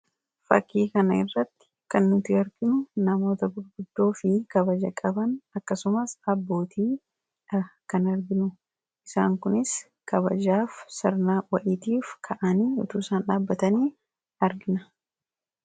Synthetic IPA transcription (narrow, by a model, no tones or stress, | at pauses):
fɐ̰kːiːkɐnɐɪ̰rːɐt̪ːɪ̥kɐnːʊt̪ɪɐɾɡɪnʊnɐmo̞ːt̪ɐbʊɾɡʊd̪ːo̞ːfɪkɐβɐd͡ʒɐkʼɐbɐnɐkːɐsʊmɐsɐbːo̞ːt̪ʰiː | ɐkɐnɐɾɡɪnʊ | ʔɪsa̰ːŋkʊnɪs | kɐβɐ̰d͡ʒaːfsɪɾnaːwɐʔɪt̪iːfkʰɐʔɐniːʊt̪uːsaːnᶑaːbːɐt̪ɐniː | ɐɾɡɪnɐ